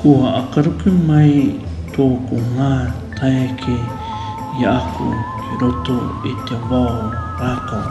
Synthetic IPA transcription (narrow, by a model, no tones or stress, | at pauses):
kohaʔakaɾukemaj | t̪okoŋa | t̪ʰajkʰe | jaʔakṵkeɾot̪oet̪eabao | ɾaka